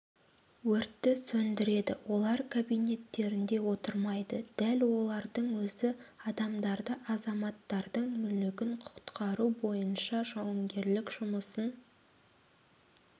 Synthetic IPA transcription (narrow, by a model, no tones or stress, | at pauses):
wɵɾt̪ːɪsɵnd̪ɪɾe̞d̪ɪ̰wo̞lˠɑɾkʰabijne̞t̪ːe̞ɾɪnd̪e̞wo̞t̪əɾmɑjd̪əd̪̥ælwo̞lˠɑɾd̪əɴwɵzɪɑd̪ɑmd̪ɑɾd̪əʔɑzɑmɑt̪ːɑɾd̪əɴmʏlɪɡʲɪɴqʰʊ̥t̪qʰɑɾubo̞jənʃɑʒɑwɑmɡʲe̞ɾlɪkʒ̥ʊməsən